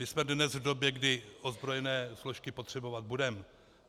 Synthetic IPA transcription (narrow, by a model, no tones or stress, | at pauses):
mɪsmɛdnɛzvdo̞bjɛɡdɪozbɾo̞jɛnɛːsloʃkɪpo̞t̪r̥ɛbo̞vat̪̚budɛm